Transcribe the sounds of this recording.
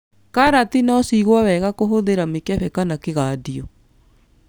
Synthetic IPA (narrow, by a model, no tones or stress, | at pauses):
kaɾatinɔːsiɣwawɛɣakoɦoðeɾamekɛɸɛkanakeɣaːdiɔ